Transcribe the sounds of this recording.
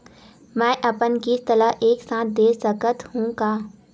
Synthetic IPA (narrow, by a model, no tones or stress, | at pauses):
mɛ̃ːʔɐpənkist̪ələɦʔeːksãːt̪̚ʰd̪eːsəkət̪hũkaː